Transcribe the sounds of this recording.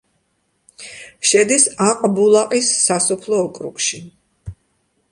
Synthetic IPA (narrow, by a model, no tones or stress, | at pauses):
ʃɛd̪isaqʼbulˠaqʼisːasɔpʰlˠɔːkʼɾṵkʼʃi